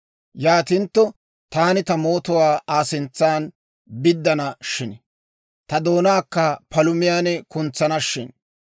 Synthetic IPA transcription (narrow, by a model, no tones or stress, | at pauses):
jaːt̪ɪnt̪ːɔ | t̪aːnɪt̪ɐmo̞ːt̪ɔwaːʔaːsɪnt͡sːaːn | bɪd̪ːɐnɐʃɪnɛ | t̪ɐd̪o̞ːnaːkːɐpɐlʊmɪjaːnɛkʊnt͡sːɐnɐʃːɪ̰n